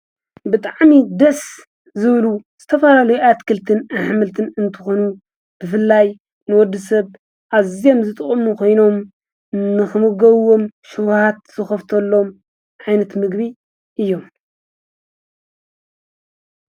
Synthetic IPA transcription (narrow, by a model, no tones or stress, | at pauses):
bɨt̪ʼaʕmid̪ɐs | zɨβluz̥ɨt̪ʰɐfɐlalɐjuʔat̪kʰɨlt̪ʰɨnaħmɨlt̪ʰɨnɨnt̪ʰɨ̥xo̞nu | b̥ɨfɨlːaj | nɨwɔd̪ːɨs̬ɐβ | ʔazio̞mzɨt̪ʼɨχʼɨmukʰo̞jno̞m | nɨxɨmɨɡɐβwo̞mʃuwhat̪̚z̥ɨxɐft̪ʰɐlːo̞m | ʕajnɐt̪mɨɡβi | ʔɨjːo̞m